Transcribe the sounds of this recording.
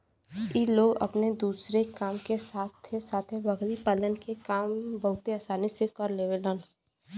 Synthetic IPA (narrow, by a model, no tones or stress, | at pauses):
iːloːɡɐ̰pned̪uːsɾekaːmkesaːt̪ʰːesaːt̪ʰeʋɐɡlipələnkekaːmbɐɦʊt̪eaːsaːnisekɔːɾleːʋeləːn